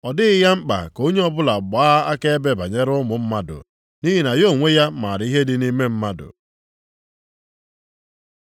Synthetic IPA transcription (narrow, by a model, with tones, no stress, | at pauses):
ɔ˨dɪ˦ɪ˦ja˦ŋ͡m̩˦k͡pa̰˨ko˦ɲe˦ɔ˦bʊ˦la˨ɡ͡baː˦a˦ke˦e˦be˦ba˨ɲe˦ɾʊ˦mʊ˨m̩˦ma˦dʊ̰˨ | ni˦ɦi˦na˨jo˦˨ŋʷe˦ja˦ma˨ɾi˦ɦe˦dɪ˦ni˦me˦m̩˦ma˦dʊ̰˨